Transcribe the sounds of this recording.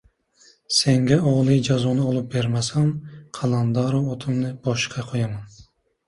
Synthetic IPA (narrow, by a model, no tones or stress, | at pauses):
seŋɡʲɛɔʁlˠɨjd͡ʒɑzunɪolˠup̚beɾmɛsamqʰɑlˠɑnd̪ɑɾoot̪ʰɨmnɪb̥ɒʃqʰɑqʰojamɑn